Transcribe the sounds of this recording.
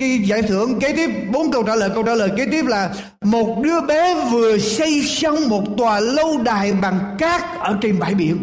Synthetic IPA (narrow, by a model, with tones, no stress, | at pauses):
i˧za̰ː˧˩jt̪ʰɨ̰˧˨əŋke˨˦t̪i˦˥əp̚ɓo˨˦nkə˧wt͡ɕaː˧˩ləː˨˩jkə˧wt͡ɕaː˧˥ləː˨˩jke˨˦t̪i˦˥əp̚laː˨˩ | mo˨˩t̚ɗɨ˨˧əɓe˨˦vɨ˨˩əsə˧jsə˧wŋ͡mmo˨˩t̚t̪waː˨˩lə˧wɗaː˨˩jɓa˨˩ŋkaː˦˥k̚ʔəː˧˩t͡ɕe˧˩nɓa̰ː˧˩jɓḭ˧˨ən